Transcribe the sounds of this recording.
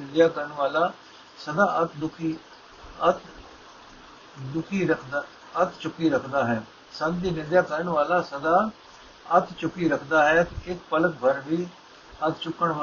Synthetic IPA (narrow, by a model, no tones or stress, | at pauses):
ɪd̪jaːkəɾəɳʋaːlaː | səd̪aːʔət̪ʰd̪ʊkʰiː | ət̪ | d̪ʊkʰiːɾəkʰd̪a | ət̪ʰt͡ʃʊkːiːɾəkʰd̪aːɦɛː | sənd̪iːnɪd̪jaːkəɾəɳʋaːlaːsəd̪aː | ət̪ʰt͡ʃʊkiːɾəkʰd̪aːɦɛːt̪ɪkpələk̚bʱəɾʋiː | ət̪ʰt͡ʃʊkːəɳʋa